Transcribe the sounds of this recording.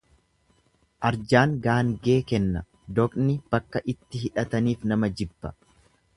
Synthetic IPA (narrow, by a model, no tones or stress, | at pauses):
ʔɐɾd͡ʒaːŋɡaːŋɡe̞ːkɛnːɐ | d̪ɔkʼnɪb̥ɐkːɐʔɪt̪ːɪɦɪᶑɐt̪ɐniːfnɐmɐd͡ʒɪbːɐ